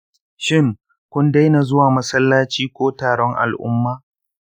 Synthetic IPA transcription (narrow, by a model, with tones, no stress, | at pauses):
ʃɪ˦ŋ | kʷʊ˦nda˦jna˨zʊ˦waː˨mɐ˦sɐ˦lːaː˦t͡ʃiː˦kʷoː˦taː˨ɽɔ˦ŋʔa̰˨lʔʊ̰˦mːaː˦